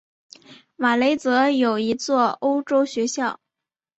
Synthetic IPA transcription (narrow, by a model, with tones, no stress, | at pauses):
ma˨˩le˧˥ɪt͡sɤ˧˥jo˨˩ʊi˧˥t͡swɔ˥˩o˥ʊʈ͡ʂo˥ʊɕɥɛ˧˥ɕjɑ˥˩ʊ